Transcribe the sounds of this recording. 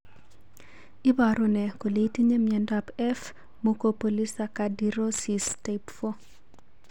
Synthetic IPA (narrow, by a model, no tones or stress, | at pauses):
ibaɾunɛkoletiɲemɛndapɛf | mukopolisakadiɾosistepfo